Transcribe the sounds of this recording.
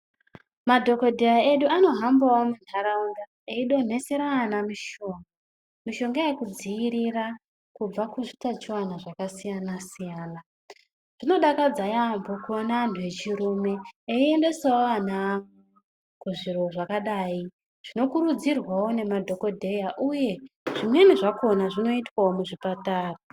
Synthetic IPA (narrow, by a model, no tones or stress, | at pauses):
madʱo̞ko̞dʱejaeɗuano̞ɦambawomunaɾauŋɡa | eiɗo̞n̤e̞seɾanamiʃo̞ŋɡa | miʃo̞ŋɡajekud͡zijiɾira | kub͡vakuʐitat͡ʃiwanaʐakasijanasijaːna | ʐ̥ino̞ɗakad͡zajambokuonantʰue̞t͡ʃiɾumeːie̞nde̞saoan̤a | kuʐiro̞ʐakaɗaːi | ʐ̥ino̞kuɾud͡zirwawo̞ne̞madʱo̞ko̞dʱe̞jaʔuje̞ʐ̥imwe̞niʐako̞naʐino̞itwaomuʐipataːra